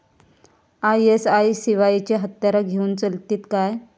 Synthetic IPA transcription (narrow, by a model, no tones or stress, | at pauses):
ajesaisiʋait͡ɕeɦət̪jaɾaɡʱeuːnt͡səlt̪iːt̪kaj